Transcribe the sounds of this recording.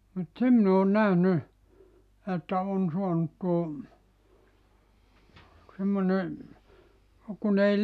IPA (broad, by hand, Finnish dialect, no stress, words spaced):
mut se min oːn næhny etːæ on suɑnut tuo semːone kun ei